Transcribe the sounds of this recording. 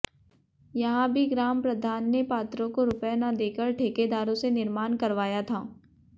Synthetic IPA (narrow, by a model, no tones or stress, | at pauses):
jɐɦãbʱiɡɾaːmpɾɐd̪ʱaːnːepaːt̪ɾõkoɾʊpjanad̪eːkəɾʈʰeːked̪aːɾõsenɪɾmaːnkɐɾʋaːjat̪ʰaː